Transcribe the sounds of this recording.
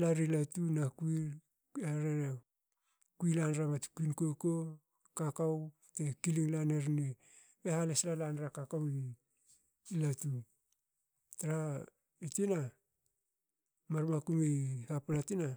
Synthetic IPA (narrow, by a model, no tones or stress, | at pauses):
laɾilatunakui | eɾeɾe | kuilanɾamatkuinkoko | kakaw | tekiliŋlaneɾni | ehaleslalanɾakakaw | latu | taɾa | itina | maɾmakuŋehapalatina